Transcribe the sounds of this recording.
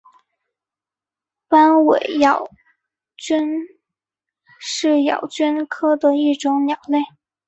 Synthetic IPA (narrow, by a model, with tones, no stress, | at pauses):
pa˥nwe˨˩ɪjɑ˨˩ʊ | t͡ɕy˥n | ʂɻ̩˥˩jɑ̰˨˩ʊt͡ɕy˥nkʰɤ˥d̪ə˨i˥˩ʈ͡ʂʊ˧˥ŋnjɑ˨˩ʊle˥˩ɪ